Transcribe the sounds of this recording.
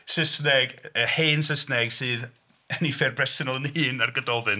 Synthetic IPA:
səsnɛɡəheːnsəsnɛɡ̥sɨːð | ənifɛrbrɛsɪnəlˠniːnarɡədɔvɨn

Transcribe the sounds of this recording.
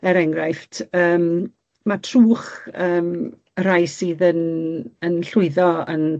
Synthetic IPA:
ɛɾɛŋɡrajftʰəːm | matʰruːχəːm | əɾajsiːðənənɬʊɨðɔə̰n

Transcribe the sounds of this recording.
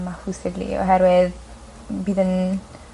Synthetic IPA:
mafusɪdlḭɔ̰ɦɛɾwɪð | biːðən

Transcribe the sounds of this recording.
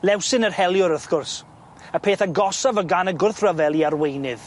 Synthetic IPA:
lɛwsɪnərhɛlˠjʊɾəθɡ̥ʊrs | əpʰeːθaɡɔsɔvəɡanəɡʊrθrəvɛlˠiarwejnɪð

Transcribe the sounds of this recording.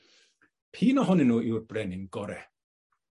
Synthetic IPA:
pʰiːnɔɦɔnɪnːuːɪwrbrɛnɪŋɡɔɾɛ

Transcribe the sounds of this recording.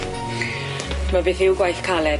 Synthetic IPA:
d̥mabɨːθɪwɡwajθkʰalɛ

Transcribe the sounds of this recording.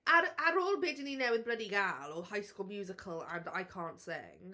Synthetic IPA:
ʔəɾəɾɔːlˠbɪdɪninawɪ̃nbɹədiɡalˠɔhaɪskuːlˠmjʉːzɪkʰəlˠə̰̃na̰jkʰɑ̃ːntsɪ̰̃ŋ

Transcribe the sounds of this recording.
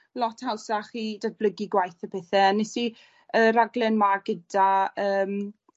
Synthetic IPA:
lɔtʰhawsaχiːdad̚bləɡiɡwajθəpʰɛθɛanːɛsi | əɾaɡlɛnmaɡədaəːm

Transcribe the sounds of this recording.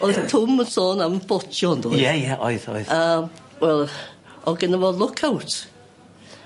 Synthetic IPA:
ɔɨðtʰʊməsɔːnambɔtʰjɔndujɛjɛʔɔ̰ɨðɔ̰jðəmwɛlˠ | ɔɡɪnəvɔlˠʊkʰawtʰ

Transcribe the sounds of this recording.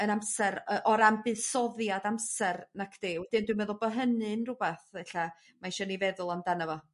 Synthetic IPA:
ənamsɛɾəʔɔɾambɨðsɔðjadamsɛrnakʰd̥eːwɛdɨndwimɛðʊlˠbəɦənɨnrʊbɛθɛɬa | maʃɔnivɛðʊlˠamdanəvɔ

